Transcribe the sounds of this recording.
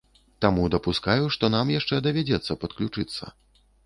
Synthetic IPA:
t̪amud̪ɐpuskajuʂt̪ɔnamjaʂt͡ʂɛd̪ɐvʲad͡zʲɛt̪sːɐpɐt̪klʲut͡ʂɨt̪sːɐ̰

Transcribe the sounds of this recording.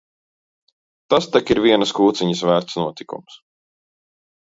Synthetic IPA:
t̪ast̪akiɾviɛnɐskuːt̪siɲəsvæːɾt̪snuɔt̪ikṵms

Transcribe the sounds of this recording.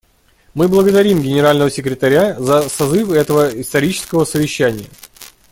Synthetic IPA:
mɨblˠəɡəd̪ɐɾʲimɡʲɪnʲɪɾalʲnəvəsʲɪkɾʲɪt̪ɐɾʲazəsɐzɨfɛt̪əvəɪst̪ɐɾʲit͡ɕɪ̥skəvəsəvʲɪɕːænʲɪjə

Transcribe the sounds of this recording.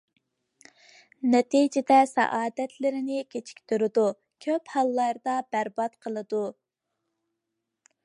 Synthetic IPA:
nɛt̪id͡ʒɪd̪ɛsɛ̰ʔɑːd̪ɛt̪ʰlɪɾɪnɪkʲʰet͡ʃʰi̥kʲt̪ʰøɾɪd̪u | kʲʰøphɑlˠːɑɾd̪ɑbæɾbɑt̪qʰəlˠɨd̪u

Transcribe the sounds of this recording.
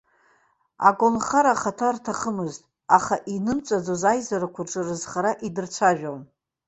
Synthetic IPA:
a̰ɡʷʼonχaɾaχatʰartʰaχəmɨztʼ | aχaʔinɨmt͡sʷʼad͡zozajzaɾakʷʰʊrʈ͡ʂʼɨrɨzχaɾaʔidɨrt͡ɕʷʰaʒᶣon

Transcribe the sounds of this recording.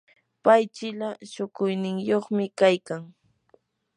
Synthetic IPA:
pajt͡ʃɪlaʃʊkʊjnɪŋjoχmɪkajkaŋ

